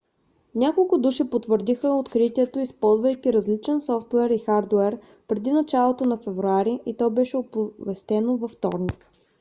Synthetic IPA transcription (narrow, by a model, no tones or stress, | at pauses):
nʲakolˠkʊd̪uʃipot̪vəɾd̪ixəot̪kɾit̪iɛt̪oispɔlˠzvɐjkʲiɾɐzlit͡ʃɛnsɔft̪wɛɾixaɾd̪wɛɾ | pɾɛd̪inɐt͡ʃalˠot̪onɐfɛvɾuaɾiʔit̪ɔbɛʃɛopovɛst̪ɛnovɐft̪ɔ̰ɾnik